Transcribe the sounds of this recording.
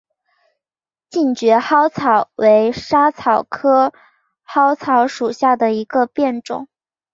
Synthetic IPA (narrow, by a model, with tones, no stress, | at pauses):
t͡ɕi˥˩ŋt͡ɕɥɛ˧˥xɑ˥ʊt͡sʰɑ˨˩ʊwe˧˥ɪʂa˥t͡sʰɑ˨˩ʊkʰɤ˥ | xɑ˥ʊt͡sʰɑ˧˥ʊʂu˨˩ɕja˥˩d̪ə˩i˧˥ɡə˧pjɛ˥˩nʈ͡ʂʊ̰˨˩˦ŋ